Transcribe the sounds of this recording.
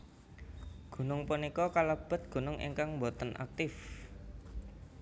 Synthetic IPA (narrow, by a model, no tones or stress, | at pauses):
ɡ̥ṳnʊŋpunikɔkaləb̥ə̤t̪̚ɡ̥ṳnʊŋʔḭŋkaŋmbot̪ənʔa̰k̚t̪ɪf